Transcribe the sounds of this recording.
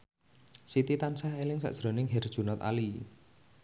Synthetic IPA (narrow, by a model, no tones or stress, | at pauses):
sit̪it̪ansahelɪŋsa̰ʔʒ̥ɾo̤nɪŋɦɛrd̥ʒ̥ṳnɔt̪a̰li